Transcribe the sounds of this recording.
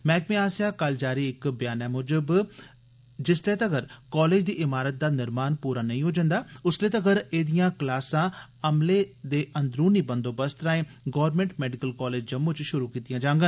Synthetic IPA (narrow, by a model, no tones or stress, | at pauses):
mɛ̃ːkmẽːaːsijaːkəld͡ʒaːɾiːɪkbjaːnɛːmʊd͡ʒəb | d͡ʒɪsleːt̪əɡəɾkɔːleːd͡ʒd̪iːʔɪmaːɾət̪̚d̪aːnɪɾmaːnpuːɾaːnəĩːɦoːd͡ʒə̃nd̪aːʊsleːt̪əɡəɾeːd̪ijãːklaːsãːəmleːd̪eːʔənd̪ɾuːniːbənd̪oːbəst̪ɾaːẽː | ɡɔːʋəɾmẽːɳʈmɛːɖɪkəlkɔːleːd͡ʒd͡ʒəmːõːt͡ʃʃʊɾuːkiːt̪ijãːd͡ʒãːŋɡən